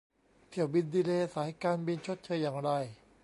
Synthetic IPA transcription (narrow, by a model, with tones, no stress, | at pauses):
t̪ʰi˨˩wbi˧ndiː˧leː˧saː˩˦jkaː˧nbi˧nt͡ɕʰo˦˥t̪̚t͡ɕʰɤː˧jːaː˨˩ŋɾa˧j